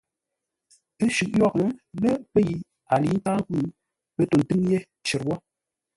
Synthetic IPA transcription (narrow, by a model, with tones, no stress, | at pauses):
e˦ʃʉ˨k̚jɔ˦˨k̚n˦le˦pe˦ji˨ | a˨li˨˦n̩˦taː˦ŋ˦ku˦˨ | pe˦to˨n̩˨tɨ˦ŋje˦ | t͡ʃe˨ɾwɔ˦